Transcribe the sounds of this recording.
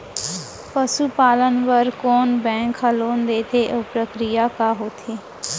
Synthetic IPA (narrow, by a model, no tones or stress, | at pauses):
pəʃupaːlənʋəɾkɔːnbɛ̃ːŋkhəloːnd̪eːt̪ʰeʔoːpɾəkɾɪjakaɦoːt̪ʰeː